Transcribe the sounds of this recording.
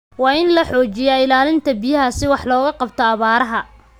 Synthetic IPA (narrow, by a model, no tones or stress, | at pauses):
wɑːɪnlɐħɔːt͡ʃɪjɐɪlaːlɪnt̪ʰɐbɪjɐɦɐsɪwɑħlɔːɣɐqɑbt̪ʰɔɐβaːɾɐɦɐ